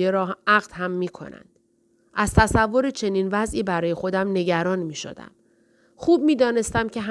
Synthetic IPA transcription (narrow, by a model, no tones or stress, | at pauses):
eɾɒːæɣd̪̥hæmːiːkʰo̞̰næ̰nd̪̥ | ʔæz̥t̪ʰæsævːo̞ɾet͡ʃʰe̞niːnvæzʔiːbæɾɒːje̞xo̞d̪æmne̞ɟæɾɒːnmiːʃo̰d̪æ̰m | xuːb̚miːd̪ɒːne̞st̪æmcʰe̞ɦ